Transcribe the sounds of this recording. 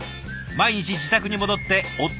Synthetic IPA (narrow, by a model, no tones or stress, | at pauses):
maiɲ̟it͡ɕid͡ʑit̪akɯ̟ɲ̟imo̞d̪o̞t̪ːe̞ot̪